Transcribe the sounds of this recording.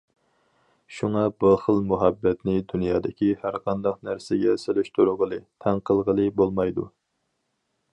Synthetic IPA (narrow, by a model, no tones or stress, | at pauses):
ʃuŋɑbəɾχəlˠmuɦɛbːɛt̪nɪd̪unjɑːd̪ɪkʲihæɾqʰɑnd̪ɑqnæɾsɪɡʲɛselɪʃt̪ʰuɾʊʁəlˠɨt̪ʰɛŋqʰəlˠʁəlˠɨbolˠmɑjd̪u